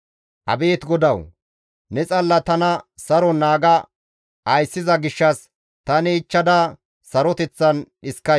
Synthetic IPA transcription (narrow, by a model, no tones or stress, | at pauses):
ʔɐ̰beːt̪ɡɔd̪ɐw | nɛt͡sʼɐlːɐt̪ɐnɐsɐɾɔnaːɡɐ | ɐjsːɪzɐɡɪʃːɐs | t̪ɐnɪːt͡ʃːɐd̪ɐ | sɐɾɔt̪ɛt͡sːɐnɗɪskːɐ